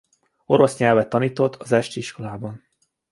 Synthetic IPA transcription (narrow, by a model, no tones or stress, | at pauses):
o̞ɾo̞sɲɛlvɛt̪ːɒniːt̪o̞t̪ʰːɒzɛʃt̪iʃko̞laːbɒn